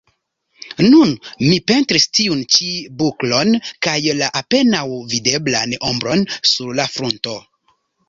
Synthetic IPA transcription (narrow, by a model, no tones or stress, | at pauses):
nunmipe̞ntɾistiunt͡ʃibuklo̞nkajlaʔape̞nawvide̞blanombɾo̞nsuɾlafɾunto̞